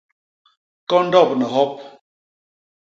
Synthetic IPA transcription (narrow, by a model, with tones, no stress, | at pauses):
kɔ˦n̩˦dɔ˦˨p̚nɛ˨ɦɔ˦p̚